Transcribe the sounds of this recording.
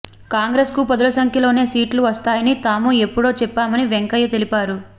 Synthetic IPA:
kaːŋɡɾe̞ːskupɐd̪ɐlɐsɐŋkʰjɐlo̞ːne̞ːsiːʈluʋɐst̪aːjɐnit̪aːmue̞pːuɽo̞ːt͡ʃɛpːaːmɐniʋeŋkɐjːɐt̪e̞lipaːɾu

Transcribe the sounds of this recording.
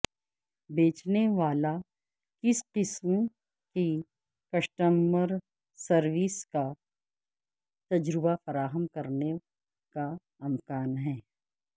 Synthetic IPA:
beːt͡ʃneʋaːla | kɪsqɪsm | ki | kɐʃʈəmbəɾ | sɐɾʋiːska | t̪ɐd͡ʒɾɪbafɐɾaːɦəmkɐɾne | ka | ɐmkaːnɦɛː

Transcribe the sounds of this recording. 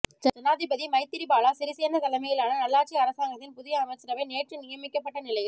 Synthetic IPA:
d͡ʒɐd͡ʒɐnaːðɪbɐðimɐɪt̪ːɪɾibaːlaːsɪɾɪseːɾnd̪ɐkɐlɐmɐjɪlaːnɐnɐlːaːʈ̚t͡ʃiɐɾɐsaːŋɡɐt̪ːɪnpʊðɪjɐɐmɐt͡ʃːɪɾɐʋɐɪneːʈrɯnɪjɐmɪkːɐpːɐʈːɐnɪlɐjɪl

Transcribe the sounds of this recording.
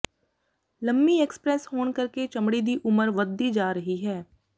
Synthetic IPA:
lɐmbieːkspɾɛːshoːnkɐɾket͡ʃɐmɽid̪iʔʊməɾʋəd̪ːid͡ʒaːɾɐɦiɦɛː

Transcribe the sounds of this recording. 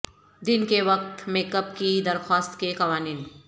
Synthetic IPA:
d̪ɪnkeʋɐk̚t̪meːkəpkid̪ɐɾxaːst̪kekɐʋaːniːn

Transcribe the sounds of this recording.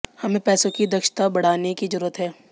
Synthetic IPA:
hɐmẽpɛːsõkid̪ɐkʃt̪abɐɽ̤aːnekizɐɾuːɾət̪ɦɛː

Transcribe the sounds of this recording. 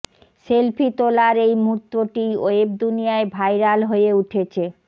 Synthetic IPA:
selpʰit̪olaɾejmut̪ːoʈioeb̚d̪unijaebʱajɾalɦoeuʈʰet͡ɕʰe

